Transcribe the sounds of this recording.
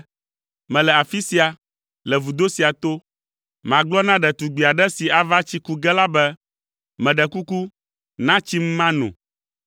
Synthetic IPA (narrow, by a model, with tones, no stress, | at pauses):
mɛ̃˨lɛ˨a˨fi˦si˨a˨ | lɛ˨vu˨d̪o˦si˨a˨t̪o˦ | mã˨ɡ͡blɔ˦nã˦ɖɛ˨t̪u˨ɡ͡bi˨a˨ɖɛ˦si˨a˨va˦t͡ɕi˦ku˦ɡɛ˦la˦bɛ˦ | mɛ̃˨ɖɛ˨ku˦ku˦ | nã˦t͡ɕi˦m̩˦mã˦nṵ̃˨